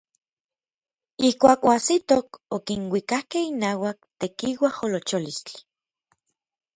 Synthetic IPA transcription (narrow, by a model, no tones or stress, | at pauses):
ihkʷaːkoasit̪okokinwikahkehinaːwak̚t̪ekiwaholot͡ʃolist͡ɬi̥